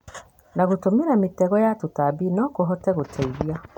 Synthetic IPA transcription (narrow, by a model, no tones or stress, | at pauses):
naɣotomeɾametɛɣɔjatotabinɔkoɦɔtɛɣotʰɛiɾia